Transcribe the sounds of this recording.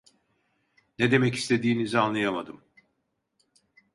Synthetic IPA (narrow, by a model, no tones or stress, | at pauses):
ned̪e̞mɛci̥st̪ʰe̞d̪iːnizianlˠajamad̪ɯm